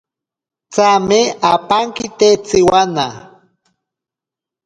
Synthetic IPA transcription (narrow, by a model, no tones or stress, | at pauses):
t͡sameapaŋkɪt̪et͡sɪwana